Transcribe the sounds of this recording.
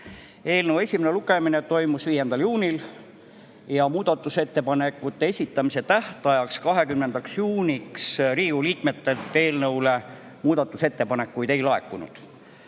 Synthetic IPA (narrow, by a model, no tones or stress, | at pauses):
e̞ːlnɤwe̞sʲimene̞luɡe̞mine̞t̪o̞jmusviːje̞nd̪̥ɑljuːnʲil | jɑmuːd̪̥ɑt̪ːˑuse̞t̪ːe̞pɑne̞kːˑut̪ːe̞esʲit̪ːˑɑmise̞t̪æht̪ɑjɑkskɑɦe̞kymnend̪ɑksjuːnʲiksɾiːuliːkme̞t̪ːe̞lt̪ːe̞ːlnɤwle̞ | muːd̪̥ɑt̪ːˑuse̞t̪ːe̞pɑne̞kːujd̪e̞jlɑe̞kːunṵd̪̥